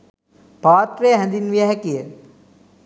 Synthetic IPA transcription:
paːt̪ɾejɦɛnd̪inʋijɛɦɛkijə

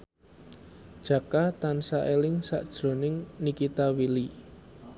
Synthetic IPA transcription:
d̥ʒ̥ä̤kat̪ansaʔelɪŋsa̰ʔd̥ʒ̥ɾo̤nɪŋnikit̪awili

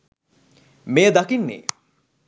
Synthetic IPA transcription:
mejəd̪akinːḛː

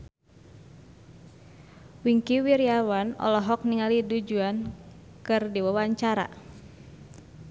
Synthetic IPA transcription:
wiŋkiwiɾiawanɔ̰lɔɦɔk̚niŋalidud͡ʒuan | kɨrdiwawaɲt͡ʃaɾa̰

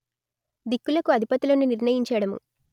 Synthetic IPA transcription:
d̪ikːulɐkuɐd̪ʱipɐt̪ilɐnuniɾɳɐjiɲt͡ʃɐːɽɐmṵ

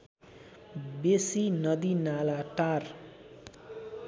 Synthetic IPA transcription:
besinʌd̪inalaʈar

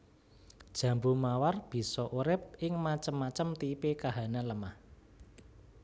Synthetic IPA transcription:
d̥ʒ̥ä̤mbumawarb̥i̤sɔʔuɾɪp̚ʔɪŋmat͡ʃəmːat͡ʃəmt̪ipekaɦanaləmah

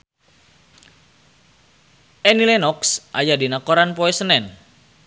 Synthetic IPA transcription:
ɛnilɛnɔksʔajadinakɔɾanpoɛsənɛn

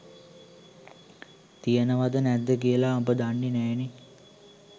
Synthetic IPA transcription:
t̪ijənəʋad̪ənæd̪ːəkijəlaːbəd̪anːinɛːne

